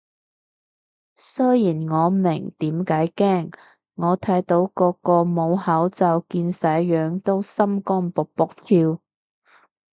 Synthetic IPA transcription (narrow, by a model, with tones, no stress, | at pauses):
sɵ˥jjiː˨˩nŋɔː˨˧mɪ˨˩ŋt̪iː˨˥mkaː˨˥jkɛː˥ŋː | ɔː˨˧t̪ʰɐ˨˥jt̪o˨˥wkɔː˧kɔː˧mo˨˧whɐ˨˥wt͡sɐ˨˧wkiː˧nsɐ˨˥jjœː˨˧˥ŋt̪o˥wsɐ˥mkɔː˥npʊ˨k̚pʊ˨˥k̚t̪ʰiː˧w